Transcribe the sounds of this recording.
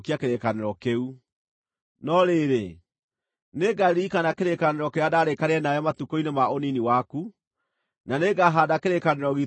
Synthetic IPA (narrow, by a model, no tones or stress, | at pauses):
kiakeɾekaneɾɔkeu | nɔɾeɾe | neɡaɾikanakeɾekaneɾɔkɛadaɾekaɾeɛnajɔmatukoinemaoniniwaku | naneɡaɦadakeɾekaneɾɔɣi